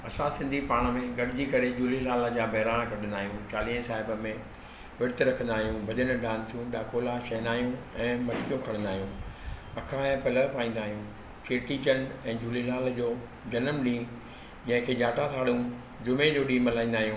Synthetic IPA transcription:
ɐsãsɪ̃nd̪ʱipaːɽ̃mẽɡɐɗɪd͡ʑikɐɾed͡ʑuːlilaːld͡ʑabʱɐɦːɾaːñkɐʈʰə̃nd̪aːɦijũt͡ɕaːliːə̃saːɦɪbə̆mẽ | ʋɪɾt̪ɾɐkʰə̃nd̪aːɦijũbʱɐʄənə̆ɖãːnt̪ʰijũɗaːkoːlaʃɐɦnaːɦijũɛ̃ːmɐɾkijõkʰɐɽ̃ə̃nd̪aːɦijũɐkʰãɛ̃pɐləpaːĩːn̆d̪aːɦijũ | keːʈiːt͡ɕəɳɛ̃ːd͡ʑuːlilaːld͡ʑoː | d͡ʑɐnəmɗĩː | d͡ʑɐ̃ɦɪ̃kʰeːd͡ʑaːʈasʰaːɽũ | d͡ʑʊmed͡ʑoːɗĩːmɐlaːĩːnd̪aːɦijũː

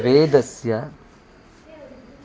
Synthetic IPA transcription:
ɾeːd̪ɐsjɐ

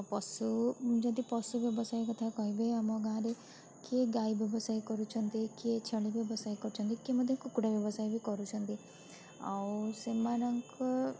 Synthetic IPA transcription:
pɔsud͡ʒʌ̃nd̪ipɔsubjɔbɔsaikɔt̪ʰakɔɦibeamɔɡãːɾe | keɡaibʱjɔbɔsaːikɔɾut͡ʃʰɔnt̪iket͡ʃʰəɭibjebɔsaːikɔɾut͡ʃʰɔnt̪ikeməd̪ʱjekukuɽabjɔbɔsaibʱikɔɾut͡ʃʰɔ̃nt̪i | a̰wsemaɾaŋk

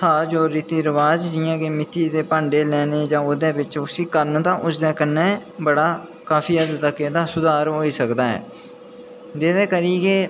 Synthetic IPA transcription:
sʰaːd͡ʒoːɾːiːt̪iːɾəʋaːd͡ʒd͡ʒɪːãːkeːmɪt̪ːiːd̪eːpãːɳɖeːlɛːneːd͡ʒãːʊd̪ẽːʋɪt͡ʃʊsiːkəɾnt̪ãːʔʊsd̪ɛːkənɛːbəɽaː | kaːfiːəd̪t̪ːəkeːd̪aːsʊd̪aːɾɦoːiːsəkd̪aːɦɛ̰ː | d͡ʒ̪eːd̪eːkəɾiːkeː

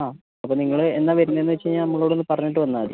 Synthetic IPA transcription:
aː | ɐpːoːniŋːɐɭɨenːaʋɐɾunːɐenːɨʋet͡ɕːɨɲaːnɐmːɐɭo̞ːɽo̞nːɨpɐrɐɲːiʈ̬ːɨʋɐnːaːɐðɨ̰

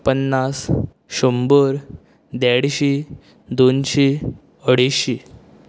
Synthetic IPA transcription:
pənːas | ɕumbəɾ | d̪aɽɕi | d̪onɕi | əɽiɕi

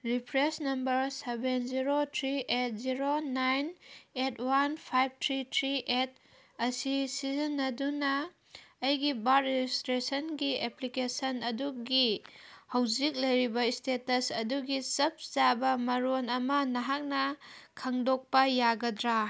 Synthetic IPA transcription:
ɾipʰɾesnɐmbɐɾsebenziɾotʰɾiʔet̚ziɾonajnetʰwanpʰajb̚tʰɾitʰɾiʔet̚ | ɐsisizɐnːɐdunɐː | jɡibaɾed͡ʒistɾesɐnɡieplikesɐnɐduɡihɐwd͡ʒik̚lɐjɾibɐistetɐsɐduɡisɐp̚zabɐmɐɾonɐmɐnɐɦak̚nɐkʰaŋdok̚pɐjaɡɐdɾa

